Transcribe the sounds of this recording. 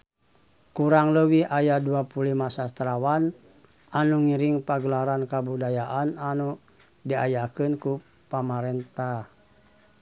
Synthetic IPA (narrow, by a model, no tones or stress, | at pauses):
kuɾaŋləwihajaduapulimasast̪ɾawan | anuŋiɾiŋpaɡəlaɾankabudajaʔananu | diajakɨnku | pamaɾɛnt̪ah